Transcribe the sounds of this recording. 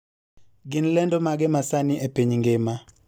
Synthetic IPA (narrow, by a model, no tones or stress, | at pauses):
ɡɪnlɛndɔmaɡɛmasanɪʔepiɲŋɡema